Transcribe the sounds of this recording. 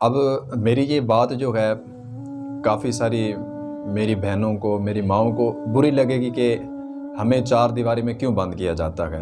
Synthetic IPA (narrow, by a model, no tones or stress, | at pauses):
ɐbmeːɾijebaːt̪d͡ʒoːɦɛː | kaːfisaːɾi | meːɾibʱɛɦnõkomeːɾimãːõkobʊɾilɐɡeːɡike | hɐmẽt͡ʃaːɾd̪ɪʋaːɾimẽkjõbɐ̃nd̪kijad͡ʒa̰ːt̪a̰ɦɛ̰ː